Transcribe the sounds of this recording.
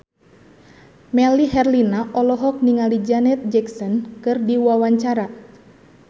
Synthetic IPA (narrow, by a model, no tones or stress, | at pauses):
mɛliɦɛrlinaʔɔlɔɦɔk̚niŋalid͡ʒanɛt̪̚d͡ʒɛksɔnkɨrdiwawaɲt͡ʃaɾa